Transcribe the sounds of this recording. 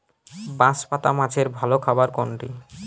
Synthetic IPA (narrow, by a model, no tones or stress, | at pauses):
bãspat̪amãd͡ʑʰeɾbʱalokʰabaɾkɔɳʈi